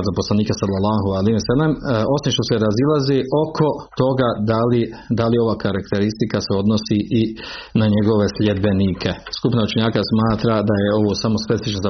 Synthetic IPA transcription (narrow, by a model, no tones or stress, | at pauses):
zaposlˠaniːkasalːalːɑːɦualiːmsalːamo̞simʃt̪o̞seɾazilˠazeːʔo̞kʰo̞t̪o̞ɡad̪alid̪alio̞ʋaːkʰaɾakt̪e̞ɾist̪ikaseo̞d̪nosiʔinaɲeɡo̞ʋe̞slʲjed̪̚beniːkʰe̞skupnaut͡ʃeɲaːkasmaːt̪ɾad̪ajeo̞ʋo̞ːsamo̞spe̞ifit͡ʃnoza